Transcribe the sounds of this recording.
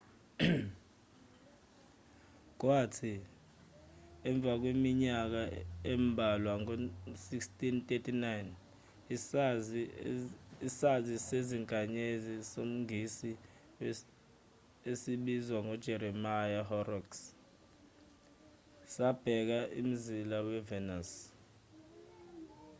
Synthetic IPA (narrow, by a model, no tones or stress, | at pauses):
k̬watʰi | ɛɱb̪vʱak̬wemiɲak̬aɛmbʱalwaŋosikstʼintʼetʰʼinajn | isaziseziŋkʼaɲezisom̩ŋisi | esiɓizwaŋɔd̥ʒ̥ʱɛɾɛmajaɦɔrɔks | sab̥ʱɛk̬aʔḭm̩zilawɛvɛnas